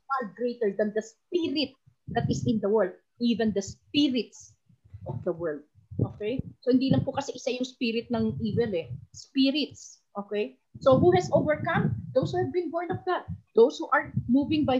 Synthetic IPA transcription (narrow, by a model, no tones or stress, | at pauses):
fal̚ɡɾejt̪ɛɹd̪ɐ̃nd̪ɐspiɾɪt̪̚ | d̪ɐt̪ɪsɪ̃nd̪ɐwɛld̪̚ | ʔiːvɛ̃nd̪ɐspiɹɪt̪s | ʔɔfd̪ɐwɛɹld̪̚ | ʔo̰ːkɛjsohɪnd̪ilɐŋpokɐsɛʔɪsajʊŋspiɾɪt̪̚nɐŋʔiːvɛlɛspiɾɪt̪̚sʔokɛj | soɦuhɛsʔovɛɹkɐ̃md̪owshuːhɛvbɪ̃nboɹnɔfd̪at̪̚d̪owshuʔɐɹmuːvɪ̃ŋbaj